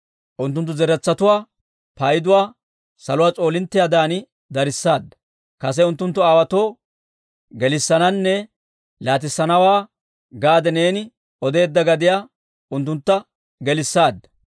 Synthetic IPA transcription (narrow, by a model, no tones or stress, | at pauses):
ʔʊnt̪ːʊnt̪ːʊzɛɾɛt͡sːɐt̪ʊwaː | pɐjɪd̪ʊwaː | sɐlʊwaːt͡sʼo̞ːlɪnt̪ːɪjaːd̪aːnɪ | d̪ɐɾɪsːaːd̪ːɐ | kɐs̬ɛʊnt̪ːʊnt̪ːʊaːwɐt̪o̞ː | ɡɛlɪsːɐnɐnːɛ | laːt̪̬ɪsːɐnɐwaː | ɡaːd̪ɛne̞ːnɪ | ɔd̪e̞ːd̪ːɐɡɐd̪ɪjaː | ʊnt̪ːʊnt̪ːɐ | ɡɛlɪsːaːd̪ːɐ̥